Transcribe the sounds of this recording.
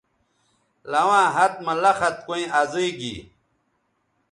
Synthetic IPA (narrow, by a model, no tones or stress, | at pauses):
lɐwãːɦɐt̪̚mɐlɐxɐt̪̚koĩʔɐziiɡḭ